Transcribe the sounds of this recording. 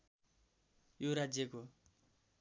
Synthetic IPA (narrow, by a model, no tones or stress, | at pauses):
joɾad͡zjʌko